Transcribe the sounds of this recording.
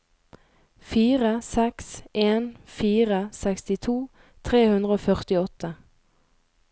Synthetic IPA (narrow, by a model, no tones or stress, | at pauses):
fiːʁəsɛksʔeːnfiːʁəsɛkst̪ɪt̪ʰuː | t̪ʰʁeːhʉnd̪ʁəoːfœʁt̪ɪɔt̪ʰə